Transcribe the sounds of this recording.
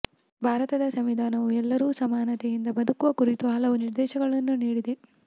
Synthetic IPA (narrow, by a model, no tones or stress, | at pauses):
bʱaːɾɐt̪ɐd̪ɐsɐmʋid̪ʱaːnɐʋuɛlːɐɾuːsɐmaːnɐt̪ejind̪ɐbɐd̪ɐkuʋɐkuɾit̪uɦɐlɐʋuniɾd̪ɛːʃɐɡɐɭɐnːuniːɽid̪e